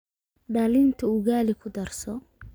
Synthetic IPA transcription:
ɖɐlɪnt̪ʰɐʊɣaːlɪkʰʊd̪ɐrsɔ

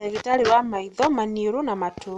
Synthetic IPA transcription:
eɣitaɾiwamaiðɔmaniɾunamatʰu

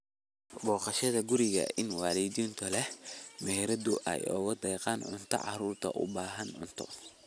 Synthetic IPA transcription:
bɔːqɑʃɐðɐɡʊɾɪɣɐ̰ɪnwɑːlɛd̪iːnt̪ʰɔlɛhmɛɦɛɾɐd̪ʊʔɛ̰jɔ̰ːɣɐd̪ɛːqɑːnʕʊ̰nt̪ʰɐ̰ʕɑ̰ruːrt̪ʰɐ̰ʔʊ̰baːɦɐnʕʊnt̪ʰɔ̰

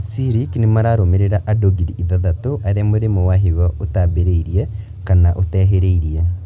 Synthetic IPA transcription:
siɾiknemaɾaɾomeɾeɾaʔadoɡidiiðaðatoʔaɾeamoɾemowaɦiɣɔotabeɾeiɾiɛ | kanaʔotɛɦeɾeiɾiɛ

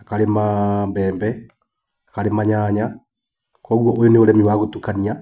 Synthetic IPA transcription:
akaɾemambɛːmbɛ | akaɾemaɲaːɲa | kɔɣwɔʔojoneoɾɛmiwaɣotukania

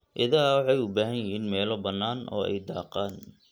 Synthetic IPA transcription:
ʔɪðɐwɑħɑjʊbaːɦɐjjɪɦiːnmɛːlɔbɐnːaːnʔɔ̰ːɛ̰jd̪ɑːqaːn

